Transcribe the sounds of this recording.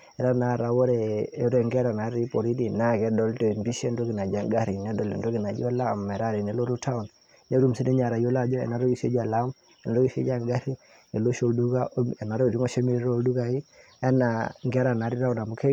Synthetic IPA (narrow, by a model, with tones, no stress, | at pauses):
ɛ˨ɾa˦na˨ɾa˨wɔ˦ɾɛ˨ɔ˦ɾɛ˨ŋɡɛ˦ɾa˨na˨˦ɾi˦pɔ˨ɾi˦di˨na˦kɛ˨dɔ˦ltɔ˨mbi˦ʃɛ˦ndo˦ɡi˨na˨d͡ʒa˨ŋɡa˦ɾi˨nɛ˦dɔ˨lḭ˨ndɔ˦ɡi˨na˨d͡ʒɔ˦la˦mɛ˨ɾa˦ɾi˨nɛ˨˦lɔ˦ɾu˦ta˦u˨n | nɛ˦ɾu˦msi˦dɛ˦ɲa˨ɾa˨jɔ˦la˦˨d͡ʒɔ˦ɛ̰˨na˨˦ɾɔ˦ɡi˦˨ʃɛ̰˦d͡ʒa˨lam | ɛ˨na˨ɾɔ˦ɡi˦˨sɛ̰˦d͡ʒa˦ɡa˦ɾi˦ | nɛ˨lo˦ʃo˨ldu˦ɡa˦ɛ˨na˨ɾɔ˦˨ɾi˦ŋɔ˦ʃɛ˦mi˦ɾo˦ldu˦ɡa˨i˦ | ɛ˦naŋɡɛ˦ɾa˨na˨ɾi˦ɾa˦u˦na˨mu˨kʰɛ˦